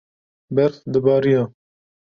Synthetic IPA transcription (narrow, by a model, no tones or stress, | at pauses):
bɛɾθd̪əbɑːɾijɑː